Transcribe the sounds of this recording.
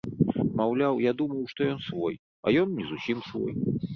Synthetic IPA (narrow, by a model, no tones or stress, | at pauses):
mawlʲawjad̪umɐwʂt̪ɔjɔnsvɔj | a̰jɔnːʲizusʲimsvɔ̰j